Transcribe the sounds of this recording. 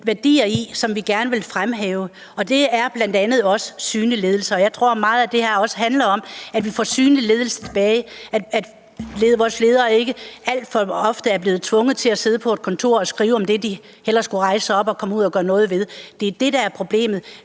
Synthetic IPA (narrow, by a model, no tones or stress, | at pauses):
ʋæɐd̥ḭːɐisɒ̽mʋiɡ̥æɐnəʋe̝lfʁamɦeːʊə | ɒ̽d̥e̝æɐb̥lænd̥ænð̩ˠɒ̽səsyːnile̝ːð̞ˠl̩sɐɒ̽jɑ̈ɪt͡sʰʁo̝ɐ̰mɑ̈ːð̞̩ˠæd̥e̝hæɐɒ̽səɦænlɐɒ̽m̰æd̥ʋifɒ̰ːsyːnlile̝ːð̞ˠl̩sɐ̥t͡sʰe̝̥b̥ɛːɪæ̥æd̥ | leːðˠʋɒːsle̝ːð̞ˠɐːe̝ɡ̥əæl̰d̥fɒ̽ɒ̽fd̥əæɐbleːð̞̩ˠt͡sʰʋɔ̽ŋð̩ˠt͡sʰe̝læse̝ðˠəpʰɒ̽ed̥̚kʰɒ̽nt͡sʰo̝̰ɐ̰ɒ̽sɡ̥ʁiːʊɒ̽md̥e̝d̥i | hel̰ɐsɡ̥uʁɑ̈ɪsəɒ̽b̥ɒ̽kʰɒ̽muð̞̰ˠɒɡ̥ɶːɐnɔ̽ːð̞̩ˠʋe̝ð̞ˠd̥e̝d̥e̝ɾ̥ɑ̈æɐpʰʁo̝b̥le̝̰ːmð̩ˠ